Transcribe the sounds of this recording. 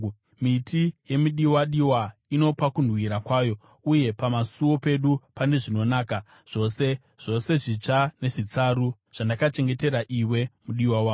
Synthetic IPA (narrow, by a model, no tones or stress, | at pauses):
mitije̞miɗiwaɗiwaino̞pakunwiɾakwaːjo̞ | uje̞pamasuo̞pe̞ɗupane̞ʐino̞naːka | ʐ̥o̞se̞ | ʐ̥o̞se̞ʐit͡ʂane̞ʐit͡saɾu | ʐ̥andakat͡ʃe̞ŋɡe̞te̞ɾaʔiwe̞muɗiwawaː